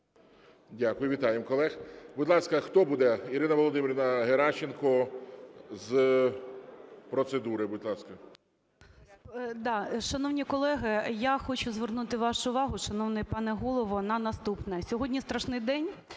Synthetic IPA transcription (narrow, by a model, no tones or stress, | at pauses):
dʲakʊjʊʋʲit̪ɑjemkɔlˠɛxbʊd̪ʲlˠɑskɐxt̪ɔbud̪ɛiɾɪnɐʋɔlˠɔd̪ɪmʲiɾʲnɐɦeɾɑt͡ʃːenkɔ | z | pɾɔt̪sed̪uɾɪbʊd̪ʲlˠɑskɐ | d̪ɑʃɐnɔwnʲikɔlˠɛɦɪjaxɔt͡ʃʊzʋernut̪ɪʋɑʃʊːʋɑɦʊʃɐnɔwnɛpɑnɛɦɔlˠɔʋɔnɐnɐst̪upnɐsʲɔɦɔdʲnʲist̪ɾɐʃnɪjd̪ɛnʲ